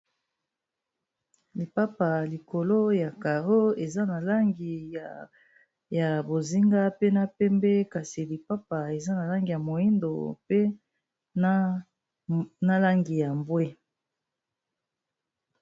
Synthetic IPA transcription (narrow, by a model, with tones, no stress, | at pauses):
li˨pa˦pa˨li˨ko˨lo˦ja˨ka˨ʁo˦e˨za˦na˨la˦ŋɡi˨ | ja˨bo˨zi˦ŋɡa˦pe˦na˦pɛ˦mbɛ˦ka˨si˨li˨pa˦pa˨e˨za˦na˨la˦ŋɡi˨ja˨mo˨i˦ndo̰˨pe˦ | na˦la˦ŋɡi˨ja˨mbwe˦